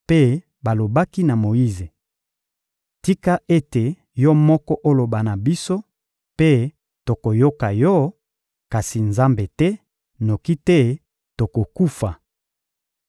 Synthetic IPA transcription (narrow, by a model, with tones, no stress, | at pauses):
pe˦ | ba˨lo˨ba˦ki˦na˨mo˨ji˦ze˨ | ti˦ka˦ʔe˦te˨ | jɔ˦mɔ˦kɔ˦ʔo˦lo˨ba˨na˨bi˦so˦ | pe˦ | to˨ko˨jo˦ka˨jɔ˦ | ka˨si˨nza˦mbe˨tɛ˦ | no˨ki˦tɛ˦ | to˨ko˨ku˦fa˨